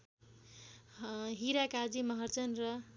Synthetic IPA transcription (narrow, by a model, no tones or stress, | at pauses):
ɦiɾakad͡zimʌɦʌrt͡sʌnrʌ